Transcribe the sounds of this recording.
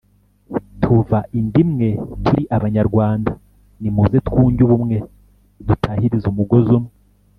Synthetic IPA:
tʰuvaʔindimŋe̞tʰuɾiʔaβaɲaɾɡwaːnda | nimuzetkuːɲɟuβumŋe̞ | dutʰahiɾizumuɡo̞zumwe

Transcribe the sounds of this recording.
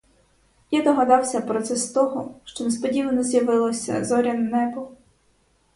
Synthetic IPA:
jad̪ɔɦɐd̪ɑwsʲɐpɾɔt̪sɛst̪ɔɦɔʃt͡ʃɔnespɔdʲiʋɐnɔzjɐʋɪlˠɔsʲɐ̰zɔɾʲɐnnɛbɔ

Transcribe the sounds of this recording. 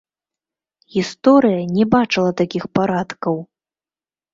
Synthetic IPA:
ɣʲist̪ɔɾɨjɐnʲɛbat͡ʂɨlˠɐt̪akʲixpaɾat̪kɐw

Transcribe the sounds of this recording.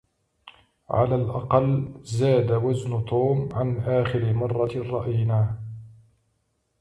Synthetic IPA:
ʕa̰laːlʔɑ̰qɑlːzaːd̪awaznʊt̪ʰoːmʕanʔaːxɪɾɪmɑrˤːɑrˤːɑʔajnaː

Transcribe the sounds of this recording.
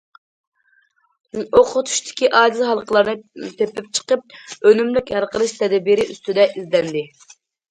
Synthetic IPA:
oqʰʊt̪ʰu̥ʃt̪ʰɪ̥kʲiʔɑːd͡ʒ̪ɪzɦɑlˠqʰəlˠɑɾnɨt̪ʰepɪp̚t͡ʃʰə̥qəp̚ønymlykʲɑɾqəlˠɨʃt̪ʰɛd̪ɛbiɾɪʔyst̪yd̪ɛʔizlɛnd̪ɪ

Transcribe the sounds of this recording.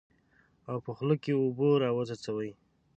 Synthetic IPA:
awpəxləkeoboɾɑwəzat͡sawəj

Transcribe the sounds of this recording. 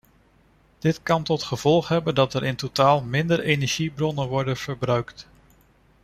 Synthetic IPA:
d̥ɪtkɑntɔtχəv̥ɔlˠχɦɛbəndɑtəɾʔɪntotaːlˠmɪndəɹejnɛɹʒ̥ibrɔnənʋɔɹdənv̥əɹbrœɥkt

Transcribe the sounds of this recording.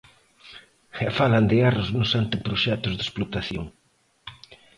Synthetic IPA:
ɛfaland̪ɪarʊznʊsant̪ɪpɾoʃɛt̪ʊzðesplot̪aθjo̰ŋ

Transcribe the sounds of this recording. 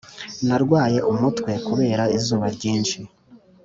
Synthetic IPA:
naɾɡwaːje̞ʔumutkwe̞kuβe̞ːɾaizuːβaɾɟiːnʃi

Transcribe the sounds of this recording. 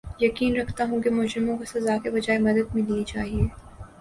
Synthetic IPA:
jɐkiːnɾɐkʰt̪aɦũkemʊd͡ʒɾɪmõkosɐzaːkebɐd͡ʒaːemɐd̪əd̪̚mẽd̪iit͡ʃaːɦieː

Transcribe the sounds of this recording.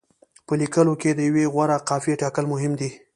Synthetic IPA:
pəlikəloked̪əjaweɣwaɾaqɑfieʈɑkəlmʊɦɪmd̪i

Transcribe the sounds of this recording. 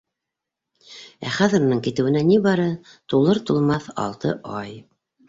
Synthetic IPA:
æ̰χæðɘ̆ɾunɤŋkit̪ɘ̆wɘ̆nænibɑɾɤ | t̪ulˠɤɾt̪ulˠmɑθɑ̰lˠt̪ɤ̰ʔɑj

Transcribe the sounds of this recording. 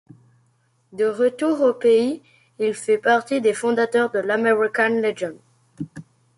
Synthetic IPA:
d̪əʁət̪uʁopei | ilfɛpaʁt̪id̪efɔ̃d̪at̪œʁd̪əlameʁikanleʒɔ̃n

